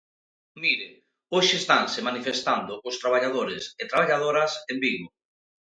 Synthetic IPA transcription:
miɾe | oʃɪːst̪ansɪmanifest̪and̪ʊkʊst̪ɾaβ̞aʎað̞oɾɪset̪ɾaβaʎað̞oɾasembiɣʊ

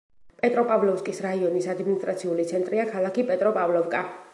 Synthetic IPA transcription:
pʼɛt̪ʼɾɔpʼavlɔfskʼisɾaiɔnisad̪minist̪ʼɾat̪sʰiulit̪sʰɛnt̪ʼɾiakʰalˠakʰipʼɛt̪ʼɾɔpʼavlɔvkʼa

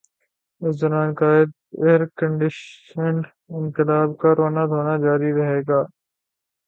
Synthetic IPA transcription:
ɪszəɾãːnkaːɪd̪̚ | eɦɾkəɳɖɪʃəɳɖ | ɪ̃nkɪlaːbkaːɾoːnad̪ʱoːnaːd͡ʒaːɾiɾɐɦeːɡaː

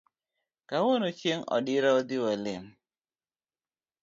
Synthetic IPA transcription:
kawonot͡ʃjeŋɔ̰dɪɾaod̪ɪwalɪn

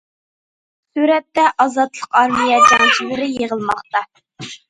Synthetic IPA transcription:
syɾɛt̪ːɛʔɑzɑt̪lˠəqɑɾvijɛd͡ʒɑŋt͡ʃʰilɪɾɪjeʁəlˠmɑχt̪ɑ

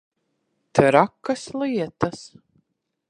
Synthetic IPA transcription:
t̪ɨɾakːaslˠiɛt̪as

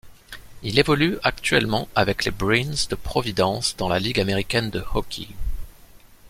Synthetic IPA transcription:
ilevɔlyakt̪ɥɛlmɑ̃avɛklebʁinzd̪əpχɔvid̪ɑ̃sd̪ɑ̃laliɡameʁikʲɛnd̪əhɔkʲʰḭ

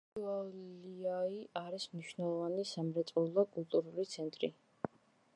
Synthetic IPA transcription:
aiaiʔaɾismniʃnɛlˠɔvanisamɾɛt̪sʼulˠakʼulˠt̪ʼuɾulit̪sʰɛnt̪ʼɾḭ

